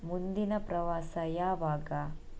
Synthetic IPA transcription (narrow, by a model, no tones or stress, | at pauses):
mund̪inɐpɾɐʋaːsɐjaːʋaːɡa